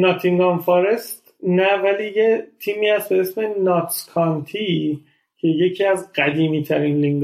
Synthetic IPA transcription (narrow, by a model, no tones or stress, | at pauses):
nɒːt̪ʰiŋɡɒnfɒːɾe̞st̪ | nævæliːjet̪ʰiːmiːhæst̪be̞esme̞nɒt̪ʰkʰɒnt̪ʰi | cʰe̞je̞cʰiːæzɢæd̪iːmiːt̪ʰæɾinliŋɡ